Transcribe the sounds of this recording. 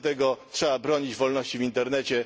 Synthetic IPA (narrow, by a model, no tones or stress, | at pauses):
t̪ɛɡɔtʂɛbabɾɔɲid͡ʑvɔlnɔɕt͡ɕivʲint̪ɛɾnɛt͡ɕɛ